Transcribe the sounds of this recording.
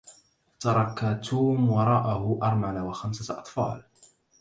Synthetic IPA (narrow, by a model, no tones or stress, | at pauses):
t̪ɑɾˤɑkat̪ʰuːmwɑɾˤɑːʔahʊʔɑɾˤmalawaxamsaʔɑt̪ˤfɑ̰ːl